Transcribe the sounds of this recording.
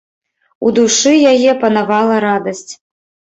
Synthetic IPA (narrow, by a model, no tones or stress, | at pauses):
ṵd̪uʂɨjajɛpɐnavalˠɐɾad̪ɐsʲt͡sʲ